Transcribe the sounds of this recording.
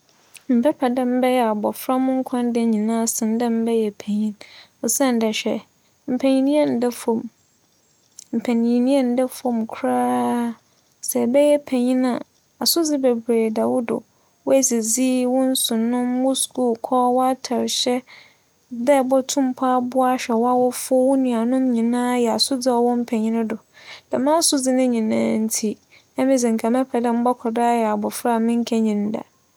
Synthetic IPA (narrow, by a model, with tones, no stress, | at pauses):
m̩˨pʰɛ˦pʰɛ˨dɛ˦m̩˦bɛ˦jɛ˦˨a˨bɔ˨fɾã˦mʊ̃˦ŋ̩˦kʷʰã˦n˦dɛ˦ɲĩ˨nãː˦˨sɪ̃˨n˦dɛ̃˦m̩˦bɛ˦jɛ˨pʰæ̃˨ɲĩ˦n | ɔ˨sɛ̃˦n˨dɛ˨ɕᶣɛ̰˨ | m̩˨pʰɛ̃˨ɲĩ˦nĩ˦ɛ˦n̩˨dɛ˦fɔ̃˨m | m̩˨pʰɛ˨nĩ˨ĩ˨nĩ˦ɛ˦n̩˨˦dɛ˦fɔ̃˦˨mkʰɾaː˦ | sɛ˨bɛ˦jɛ˦pʰæ̃˨ɲĩ˦nã˨ | a˨sʊ˦d͡zɪ˦bɛ˨bɾeː˨da˨wʊ˦dʊ̰˨ | wʊ˦æ˨si˨d͡zi˦wɔ̃˦n̩˦sʊ̃˨nʊ̃˦m˦mʊ̃˦skʰu˦lkʰɔː˦wɔ˦a˦tʰa˨ɾɕɛ˦ | dɛ˦˨bɔ˦tʰʊ̃˦m˦pʰa˦bʊ˦a˦ɕᶣɛ˨wa˦wɔ˦fʊ˦wʊ˦nĩ˨a˨nʊ̃˦mɲĩ˨nãː˦jɛ˨a˨sʊ˦d͡zɪ˦ɔ˨wɔ̃˦m˦pʰɛ˨ɲĩ˦nʊ̃˦dʊ˨d̥a˨mã˦sʊ˦d͡zɪ˦nɪ̃˦ɲĩ˨nã̰ː˦n̩˦tʰi˦ | ɛ˦mɪ̃˦d͡zɪ˨ŋ̩˨kʰa˨mɛ̃˦pʰɛ˨dã˦m̩˦bɔ˦kʰɔ˨da˦a˦jɛ˨a˨bɔ˨fɾa˦˨mɪ̃˦ŋ̩˦kʰɛ˦ɲĩ˨n˦da̰˨